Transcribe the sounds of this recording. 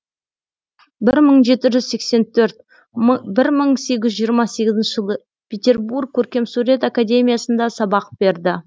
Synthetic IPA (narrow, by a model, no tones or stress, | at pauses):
bɪɾməɴʒe̞t̪ɪʒʏzse̞kse̞nt̪ʰɵɾt̪̚ | bɪɾməɴse̞ɡʲɪzʒijəɾmɑse̞ɡʲɪzɪnʃɪʒəlˠə | pʲʰet̪ʲe̞rburk̚ʲʰːɵɾkʲe̞msuɾe̞t̪akad̪ʲe̞mʲijasənd̪ɑsɑbɑq̚b̥e̞ɾd̪ɪ